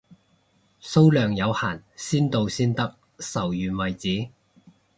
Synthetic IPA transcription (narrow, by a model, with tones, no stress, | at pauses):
so˥wlœː˨ŋjɐ˨˧wha̰ː˨˩nsiː˥nt̪o˨˧wsiː˥nt̪ɐ˥k̚ | sɐ˨˩wjyː˨nwɐ˨jt͡siː˨˥